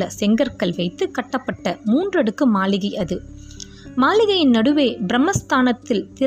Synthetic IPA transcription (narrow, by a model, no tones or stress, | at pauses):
ɐsɛŋɡɐɾkɐɭʋɐɪt̪ːɯkɐʈːɐpːɐʈːɐmuːndrɐɽɯkːɯmaːlɪɣɐʔɐðɯ | maːlɪɣɐjɪnnɐɽɯʋeːbɪɾɐmːɐst̪aːnɐt̪ːɪlt̪ɪ